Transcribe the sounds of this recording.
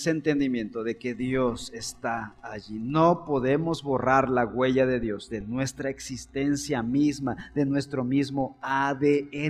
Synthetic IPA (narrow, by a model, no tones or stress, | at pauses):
sent̪e̞nd̪imjẽ̞nt̪o̞ðe̞ke̞ðjo̞se̞st̪aːʝino̞po̞ðe̞mo̞zβo̞raɾlaɣwe̞ʝaðe̞ðjo̞zðe̞nwe̞st̪ɾaeksist̪e̞nsjamizmaðe̞nwe̞st̪ɾo̞mizmo̞aðee